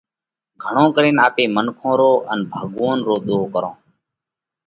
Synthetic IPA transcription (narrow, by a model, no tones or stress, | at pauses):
ɡʱəɳõːkəɾeːnaːpeːmənkʰõːɾoːʔənbʱaːɠõːnɾoːɗ̪oːkəɾõː